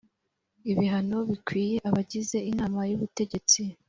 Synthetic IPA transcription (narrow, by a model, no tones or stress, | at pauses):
iβiɦano̞βikwiːje̞ʔaβaɟize̞inaːmajuβute̞ɟe̞t͡si